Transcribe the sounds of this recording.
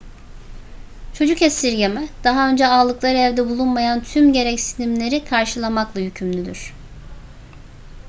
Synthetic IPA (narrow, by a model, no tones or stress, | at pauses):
t͡ʃʰo̞d͡ʒukɛsːiɾɟemɛd̪̥aɦaø̞nd͡ʒɛaːlˠɯklˠaɾɛvd̪ɛbulˠunmajant̪ʰymɟe̞ɾɛcsinimlʲe̞ɾikʰaɾʃɯlˠamaklˠahycʰymlʲyd̪yɾ̝̥